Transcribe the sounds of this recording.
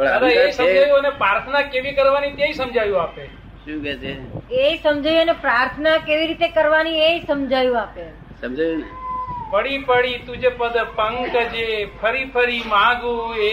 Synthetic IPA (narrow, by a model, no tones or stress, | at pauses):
əɾaesəmd͡ʒʱajũənepɾaɾt̪ʰənakeʋikəɾʋanit̪jaisəmd͡ʒʱajũape | ʃũkɛt͡ʃʰeesəmd͡ʒajũənepɾaɾt̪ʰənakeʋiɾit̪ekəɾʋanied͡ʒsəmd͡ʒʱajũape | səmd͡ʒajunepəɽipəɽit̪ũd͡ʒepəd̪pəŋkd͡ʒepʰəɾipʰəɾimãɡũe